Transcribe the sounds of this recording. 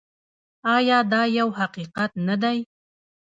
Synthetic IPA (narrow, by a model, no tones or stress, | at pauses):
ɑjɑd̪ɑjawhaqiqat̪nad̪aj